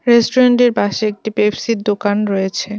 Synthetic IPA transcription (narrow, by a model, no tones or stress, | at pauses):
ɾesʈoɾeɳʈeɾbaʃeek̚ʈipebsiɾd̪okanɾɔjet͡ɕʰe